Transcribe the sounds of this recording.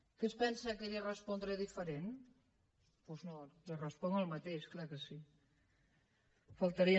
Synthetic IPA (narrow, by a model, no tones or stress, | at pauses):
kespɛnsakeɾirəspɔnd̪ɾeðifəɾen | poznorərəspɔŋəlˠmət̪eʃklakəsi | fəlˠt̪əɾi